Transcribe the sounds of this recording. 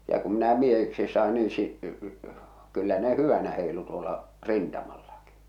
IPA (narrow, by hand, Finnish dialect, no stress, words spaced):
jɑ kum minæ miehiksis sɑˑe niː si kylːæ ne hyʋænæ heˑi̞lu tuolɑ rintɑmɑlːɑki